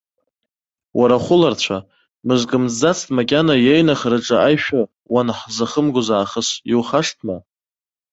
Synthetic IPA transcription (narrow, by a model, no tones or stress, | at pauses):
wʔaɾaχʷʊlart͡ɕʷʰa | mɨzkʼɨmzd͡zat͡sʰtʼmakʲʼanajejnaχrɨʈ͡ʂʼaajʃᶣa | wanħzaχəmɡʷʊzaːχəsjiwχaʂtʰma